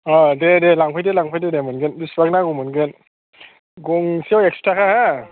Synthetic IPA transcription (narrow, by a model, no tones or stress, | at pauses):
ɔdedelaŋpʰajdelaŋpʰajdedemɯnɡendisbaknaɡɔmɯnɡen | ɡɔŋsiawek̚stʰɾakʰaha